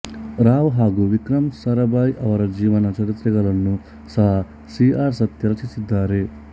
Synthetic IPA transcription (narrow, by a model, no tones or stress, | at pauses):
ɾaːʋɦaːɡuːʋikɾɐmsɐɾɐbaːjʔɐʋɐɾɐd͡ʒiːʋɐnɐt͡ʃɐɾit̪ɾɐɡɐɭɐnːu | sɐɦa | siːaːɾsɐt̪jɐɾɐt͡ʃisid̪ːaːɾe